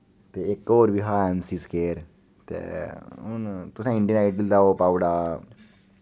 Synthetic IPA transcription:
t̪eːɪkːoːɾbiːɦaːɛːmsiːskeːɾ | t̪ḛːʊnt̪ʊsãːɪ̃ɳɖijə̃naɪʈɪld̪aːoːpaːʊɽaː

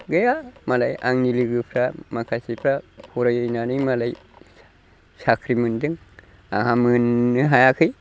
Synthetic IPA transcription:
ɡɯjamalaja̰ŋniliɡɯpʰɾamakʰasipʰɾapʰuɾajɯjnanɯjmalaj | sakʰɾimɯndɯŋ | aŋɦamɯnːɯɦajakʰɯj

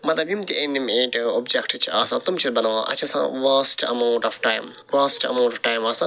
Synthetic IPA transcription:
mɐt̪lɐbjimt̪iʔẽnd̪imeːʈobd͡ʒekʈt͡ʃʰiaːsãːt̪umt͡ʃʰit̪bɐnaːʋã̰ːʔɐ̰t͡ʃʰasã̰ːʋaːsʈɐ̰maʊ̃ɳʈɔʋʈaːjm | ʋaːsʈɐ̰maːɳʈɔʋʈaːjmaːsã

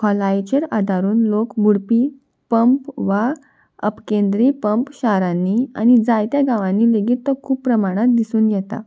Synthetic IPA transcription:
kʰɔlat͡ɕeɾad̪ʱaɾuːnlokbuɽpi | pəmpʋa | əpkẽnd̪ɾipəmpɕaɾãnːia̰ñid͡zajt̪jaɡaʋãnːiːleɡiːt̪ːɔkʰuːpːɾəmaɽ̃at̪̚d̪isuːnjɛt̪a̰

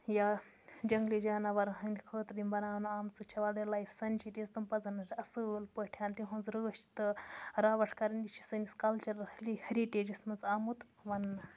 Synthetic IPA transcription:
ja | d͡ʒɐŋɡlid͡ʒaːnaʋɐɾɐɦɐnd̪ʲikʰəːt̪d̪imbɐnaːnuaːmt͡sɨt͡ʃʰɐʋaɽɐlajfʰsɐnʲt͡ʃʰit̪ʲizt̪umpɐd͡zɐnːɐt͡ʃʰɐsɨlpəʈʰjaːnt̪iɦɐ̃nzɾəːʃt̪ɨɾaːʋɐʈʰkɐɾɐnʲd̪ʲit͡ʃʰi̥sɨnʲiskɐlt͡ʃɐɾɐhlihɐɾiʈeːd͡ʒɐsmɐnt͡saːmut̪ | ʋɐnːɐ

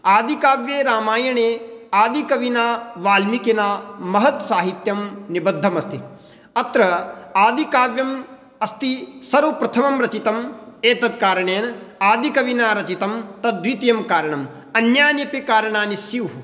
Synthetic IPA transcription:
aːd̪ikaːʋjeːɾaːmaːjɐɳeːaːd̪ikɐʋinaːʋaːlmikenaːmɐɦɐt̪saːɦit̪jɐmnibɐd̪ʱːɐmɐst̪ḭ | ɐt̪ɾɐaːd̪ikaːʋjɐm | ɐst̪isɐɾupɾɐt̪ʰɐmɐmɾɐt͡ʃit̪ɐmeːt̪ɐd̪kaːɾɐɳeːnɐaːd̪ikɐʋinaːɾɐt͡ʃit̪ɐmt̪ɐd̪ʋit̪jɐmkaːɾɐɳɐm | ɐnjaːnipikaːɾɐɳaːnisjiʋɦu

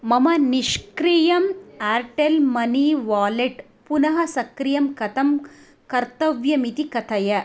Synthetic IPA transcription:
mɐmɐniʃkɾijɐmaːɾʈelmɐniʋaːleʈ | punɐɦɐsɐkɾijɐmkɐt̪ʰɐm | kɐɾt̪ɐʋjɐmit̪ikɐt̪ʰɐjɐ

